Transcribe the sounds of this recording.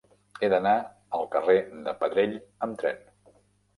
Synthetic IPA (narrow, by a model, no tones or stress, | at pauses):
eðəna | əlˠkəred̪əpəðɾeʎəmt̪ɾɛ̰n